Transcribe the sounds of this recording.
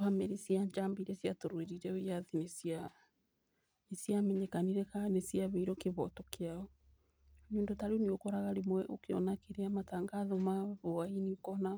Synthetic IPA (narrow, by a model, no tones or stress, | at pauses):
amɛɾisjaɲd͡ʒambiɾɛsjatoɾweɾiɾɛojaðinesja | nesjamɛɲekaniɾɛkanesjaβeiɾɔkeβɔ̰tɔkeaɔ | ɲondotaɾeoniokɔɾaɣaɾemwɛʔokeɔ̰nakeɾeamataːŋɡaðɔmaβoainikɔna